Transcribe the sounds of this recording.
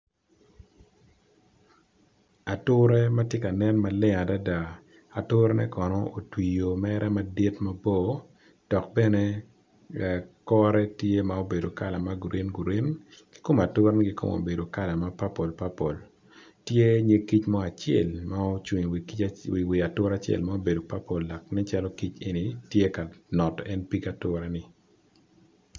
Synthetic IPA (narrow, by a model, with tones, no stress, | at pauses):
a˨tʊ˦ɾɛ˦ma˦tje˦ka˨nɛ˦nma˦lɪ˦ŋa˨da˦da˨ | a˨tʊ˦ɾe˦nɛ˦kɔ˨nɔ˦o˨twi˨jo˨mɛɾʔɛ˦ma˦di˦tma˦bo˦˨ | d̥ɔ˨k̚bɛ˦ne˦ | kɔ˦ɾɛ˦tje˦ma˨o˦be˨do˨ka˦˨la˨ma˦ɡu˨ɾʔe˦nɡu˨ɾe˦nɡ̥i̥˦ko˦ma˨tʊ˦ɾnɪ˦ɡi˦ko̰˦˨mo̰˨be˨do˨ka˦la˨ma˦pa˦po˨lpa˦po˨l | tje˦ɲe˦ki˦t͡ʃmɔ˦a˨t͡ʃɛ̰˨lma˦o˦t͡ʃi˨ŋwwi˨wi˨a˨tʊ˦ɾa˨t͡ʃɛ̰˨lma˦o˦be˨do˨pa˦po˨lːa˨knɛ˦t͡ʃa˦lɔ˦ki˦t͡ʃe˨ni˨tje˦ka˨nɔ˨tɔɛ˦npi˦ka˨tʊ˦ɾɛ˦nɪ˨